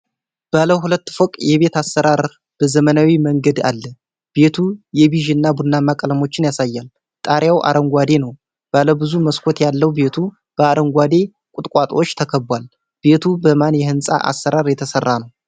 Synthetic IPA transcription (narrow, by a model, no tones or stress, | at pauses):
b̥aləhulət̪ːfokʼjɛβe̞t̪asːəɾaɾ | b̥əzəmənawiməŋɡəd̪a̰lːə | b̥e̞t̪ʰujɛβiʒɪnːabud̪nːamakʼələmo̞t͡ʃːɪnjasajːal | t̪ʼaɾjawʔa̰ɾəŋɡʷad̪e̞nəw | b̥aləbɨzuməskʰot̪jalːəwbe̞t̪ʰu | b̥əaɾəŋɡʷad̪e̞ | kʼʊt̪ʼkʼat̪ʼo̞t͡ʃːt̪ʰəkʰəbwal | b̥e̞t̪ʰubəmanjɛhɨnsʼa̰ʔa̰sːəɾaɾjɛt̪ʰəsərːanəw